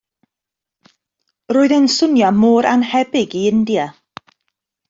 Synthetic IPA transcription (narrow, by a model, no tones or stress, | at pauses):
roːɨðənsʊnjɔmoːɾʔa̰nhɛbɪɡiɪndja